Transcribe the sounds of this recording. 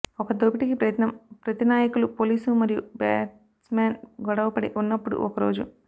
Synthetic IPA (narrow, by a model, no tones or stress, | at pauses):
ɔkɐd̪oːpiʈikipɾɐjɐt̪nɐmpɾɐt̪inaːjɐkulupoːliːsumɐɾijubeːʈ | smeːnɡɔɽɐʋɐpɐɽiʔunːɐpːuɽṵʔɔkɐɾo̞ːd͡ʒu